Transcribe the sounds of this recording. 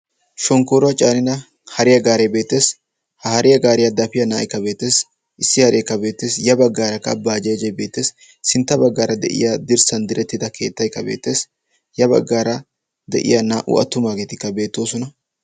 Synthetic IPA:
ʃɔŋkoːɾɔɐt͡ʃʼaːnɪnɐ | hɐɾɪjɐɡaːɾɛjbe̞ːt̪ːe̞ːs | hɐhɐɾɪjɐɡaːɾɪjɐd̪ɐfɪjɐna̰ːʔɪkːɐbe̞ːt̪ːe̞ːs | ʔɪsːɪhɐɾejkːɐbe̞ːt̪ːe̞ːsjɐbɐɡːaːɾɐkːɐ̰baːd͡ʒɛjd͡ʒɐjbe̞ːt̪ːe̞ːsː | ɪnt̪ːɐbɐɡːaːɾɐd̪ɛ̰ʔɪ̰jad̪ɪɾsɐnd̪ɪɾɛt̪ːɪd̪ɐkʰe̞̰ːt̪ːɐjkːɐbe̞̰ːt̪ːe̞ːs | jɐbɐ̰ɡːaːɾɐ | d̪ɛ̰ʔɪ̰janaːʔʊ̰ɐ̰t̪ːʊmaːɡeːt̪ɪkːɐbe̞ːt̪ːo̞ːsɔnɐ

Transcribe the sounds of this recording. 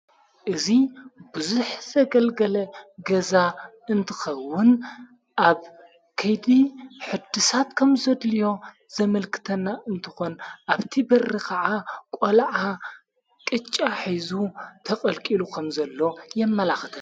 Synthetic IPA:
ʔɨzibɨzuħz̥ɐɡɐlɡɐlɐɡɐza | ɨnt̪ʰɨxɐwːʊn | ʔaβ | kʰɐjd̪iħɨd̪ɨsat̪kʰɐmzɐd̪lijo̞ | z̥ɐmɐlkʰɨ̥t̪ʰɐnːaʔɨnt̪ʰɨ̥xo̞nʔaβt̪ʰibɐrːikʰaʕakʼolʕa | kʼɨt͡ʃʼːaħizut̪ʰɐkʼɐlkʼilukʰɐmzɐlːo̞jɛmːɐlaxɨt̪ʰɐn

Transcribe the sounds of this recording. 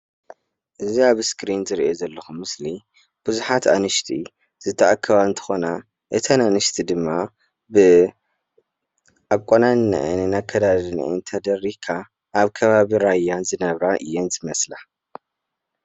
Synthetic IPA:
ʔɨziaβskɾinzɨɾḭʔo̞zɐlːɐxumɨsli | b̥ɨzuħat̪a̰nɨʃt̪ʰi | z̥ɨt̪ʰːɐʔakʰːɐβaɨnt̪ʰɐ̥xo̞na | ʔɨt̪ʰananɨʃt̪ʰid̪ɨmːa | bɨ | ʔakʼonannɨ̰ʔɨ̰nɨnakʰːɐd̪adɨn̰ʔɨ̰nt̪ʰɐd̪ɐrikʰːa | ʔːβkʰɐβaβiɾajːanzɨnɐβɾaʔɨ̰jːenzɨmɐsla

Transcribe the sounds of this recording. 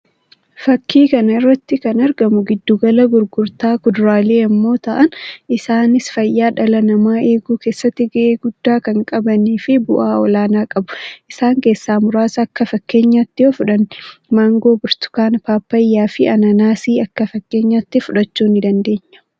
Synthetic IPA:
fɐkʰːiːkɐnɐɪrːɐt̪ːɪkɐnɐɾɡɐmʊɡɪd̪ːuːɡɐlɐɡʊɾɡʊɾt̪aːkʊd̪ɾaːle̞ːɐmːo̞ːt̪ɐʔɐnʔɪsaːnɪsfɐjːaːᶑɐlɐnɐmaːe̞ːɡuːke̞ːsːɐt̪ːɪɡɐʔeːɡʊd̪̥ːaːkɐŋkʼɐbɐniːfɪbʊ̰ʔaːɔlaːnaːkʼɐbʊ̥ʔɪsaːŋke̞ːsːaːmʊɾaːsɐːkːɐfɐkːe̞ːɲːaːt̪ːɪofʊᶑɐnːɪmaːŋɡo̞ːbʊɾt̪ʊ̥kaːnpaːpːɐjːaːfɪɐnɐnaːsiːɐkːɐfɐkːeːɲːaːt̪ːɪfʊᶑɐt͡ʃːuːnɪd̪ɐnd̪e̞ːɲːɐ̥

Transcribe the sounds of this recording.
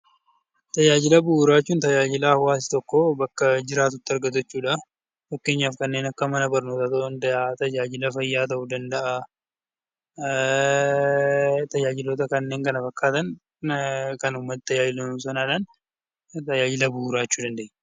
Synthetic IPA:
t̪ɐjaːd͡ʒɪlɐbʊuːɾaːt͡ʃːuːnt̪ɐjaːd͡ʒɪlawaːs̬ɪ̥t̪ɔkːobɐkːɐd͡ʒɪɾaːt̪ʊt̪ːɪɐɾɡɐt̪ɐt͡ʃːuːᶑɐ | fɐkːe̞ːɲːaːfkɐnːe̞ːnɐkːɐmɐnɐbɐɾno̞ːt̪ɐt̪ɐnd̪ɐʔat̪ɐjaːd͡ʒɪlɐfɐjːaːt̪ɐʔʊd̪ɐnd̪ɐʔaː | t̪ɐjaːd͡ʒɪloːt̪ɐkɐnːe̞ːŋkɐnɐfɐkːaːt̪ɐn | kɐnʊmːɐt̪̚t̪ɐjaːd͡ʒɪlɐnʊsɐnaːᶑɐn | t̪ɐjaːd͡ʒɪlɐbʊuɾaːt͡ʃːuːd̪ɐnd̪ɐʔɛ

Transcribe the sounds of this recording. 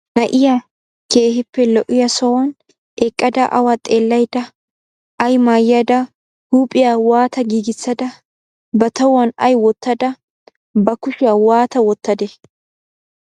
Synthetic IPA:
nɐʔɪja | keːhɪpːɛlɔʔɪjɐsɔwɐn | ʔɛkʼːɐd̪ɐʔɐwat̪ʼeːlːɐjd̪ɐ | ɐjmaːjɐd̪ɐ | huːpʼɪjawaːt̪ɐɡiːɡɪt͡sːɐd̪ɐ | bɐt̪ɐwɐnɐjwɔt̪ːɐd̪ɐ | bɐkʊʃɪjawaːt̪ɐwɔt̪ːɐd̪ɛ

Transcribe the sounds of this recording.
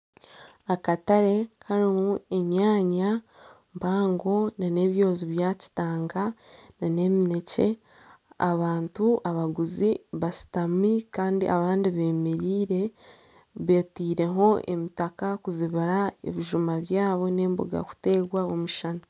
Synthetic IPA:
akataɾe̞kaɾimue̞ɲaːɲa | mbaːŋɡo̞nane̞βjo̞ːziβjaːci̥taːŋɡanane̞mine̞ce̞̰ | a̰βaːntuʔaβaɡuziβasi̥tamikaːndḭʔa̰βaːndiβe̞ːmeɾiːɾe̞ | βeːtiːɾe̞ɦo̞ʔḛmitakakuziβiɾaḛβiʒumaβjaːβo̞ne̞ːmbṵɡa̰ku̥te̞ːɡwaomuʃana

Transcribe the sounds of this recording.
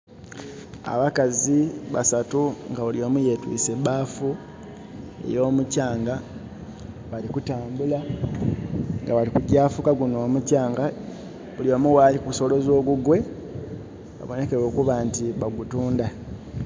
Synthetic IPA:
a̰βakaziβa̰satuŋɡaβulio̞ːmuje̞twḭːse̞baːfu | ḛjo̞ːmucaːŋɡa | βalikutaːmbula | ŋɡaβalikuɟaːfukaɡunoːmucaːŋɡa | uliomuwalikuso̞lo̞zo̞ːɡuɡwe̞ | βa̰βo̞ne̞ke̞ɾo̞ːkuβaːntiβaɡutuːnda

